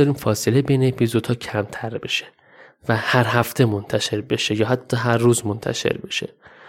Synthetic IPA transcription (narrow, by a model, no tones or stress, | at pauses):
ɒːɾiːmfɒːse̞lebe̞jneepʰizo̞d̪̥hɒːcʰæmt̪ʰæɾbe̞ʃe | væhæɾɦæft̪ʰe̞mo̞nt̪ʰæʃe̞ɾbe̞ʃejɒːɦæt̪ʰːɒːɦæɾːuːzmont̪ʰæ̰ʃe̞̰ɾbe̞ʃe̞̰